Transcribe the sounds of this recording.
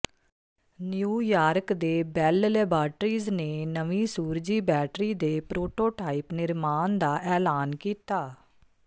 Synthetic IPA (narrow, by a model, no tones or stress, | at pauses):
njuːjaːɾkd̪eːbɛːllɛːbaːʈɾiːzneːnəʋĩːsuːɾd͡ʒiːbɛːʈɾiːd̪eːpɾoːʈoːʈaːipnɪɾmaːnd̪aːʔɛːlaːnkiːt̪aː